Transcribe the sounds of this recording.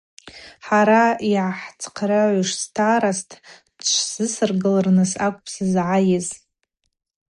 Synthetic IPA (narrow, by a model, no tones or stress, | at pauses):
ħaɾaiʕaħt͡sʰqʰraʕʕʷʏʂstʰaːɾastʰ | dt͡ʃʷʰzɨsɨrɡɨlarnɨsakʷʼpʰsɨzʕajɪz